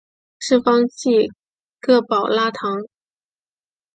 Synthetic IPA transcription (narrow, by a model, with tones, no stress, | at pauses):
ʂɻ̩˥˩fɑ˥ŋt͡ɕi˥˩ | kɤ˥˩pɑ˨˩ʊla˥t̪ʰɑ˧˥ŋ